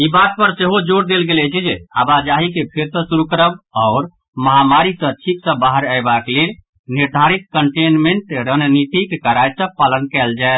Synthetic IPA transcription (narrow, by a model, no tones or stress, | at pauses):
ibat̪̚pəɾseɦod͡ʒoɽd̪elɡelɛt͡ʃʰɛd͡ʒeabad͡ʒaɦikepʰeɾsə̃suɾukəɾəbɔʊɾ | məɦamaɾisə̃t͡ʃʰiksə̃baɦəɾaebakelel | niɾd̪ʱaɾit̪̚kəɳʈenmeɳʈɾənnit̪ikekəɾajsə̃palənkɛld͡ʒae